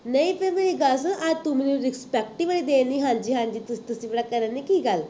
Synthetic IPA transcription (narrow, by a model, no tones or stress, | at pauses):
nəjfemiliɡas̬əʔaɾt̪uminiɾispɛk̚ʈiʋəɭid̪eniɦãɲd͡ʑiːɦãɲd͡ʑiːt̪əst̪əsiʋɭakəɾanikiːɡal